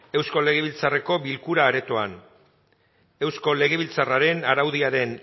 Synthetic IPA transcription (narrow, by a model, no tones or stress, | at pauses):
e̞wsko̞le̞ɣeβ̞ilt͡sare̞ko̞βilkuɾaːɾe̞t̪o̞an | e̞wsko̞le̞ɣ̞e̞βilt͡saraɾe̞naɾawðiaɾe̞n